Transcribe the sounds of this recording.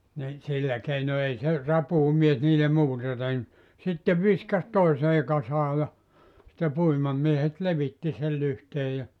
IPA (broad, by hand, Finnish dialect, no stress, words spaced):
ni silːæ keino ei se rɑpuːmies niːle muːtɑ tehny sitːe ʋiskɑs toiseː kɑsɑː jɑ sĭtːe puimɑmiehet leʋitːi sel lyhteː jɑ